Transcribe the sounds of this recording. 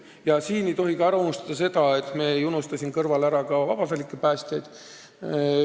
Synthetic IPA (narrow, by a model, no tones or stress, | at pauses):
jɑsiːne̞jt̪o̞ɦikɑæɾɑunust̪ɑd̪ɑse̞d̪ɑe̞t̪ːˑmeːejunust̪ɑsʲimekɤrvɑlæɾɑkɑvɑ̰b̥ɑsɑlʲikːˑepæːsʲt̪ʲjejd̪̥